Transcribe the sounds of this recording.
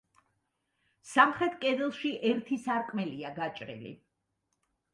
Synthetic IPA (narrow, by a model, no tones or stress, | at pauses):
samχɾɛt̪ʰkʼɛd̪ɛlˠʃiʔɛɾt̪ʰisaɾkʼmɛliaɡat͡ʃʼɾḭlḭ